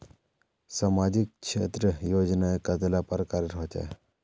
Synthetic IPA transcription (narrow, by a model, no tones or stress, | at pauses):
samad͡ʒik̚ʃʰḛːt̪ɾəjoːd͡ʒnaekɐt̪elapəɾkaɾɾɔɦt͡ʃa̰